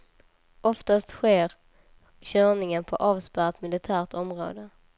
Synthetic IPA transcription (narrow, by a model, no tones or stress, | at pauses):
ʔɔft̪ast̪ɧeːɾ | ɕœːɳɪŋənpʰɔʔɑːvspæːɾt̪mɪlɪt̪ʰæːɾʈɔmɾo̰ːd̪ə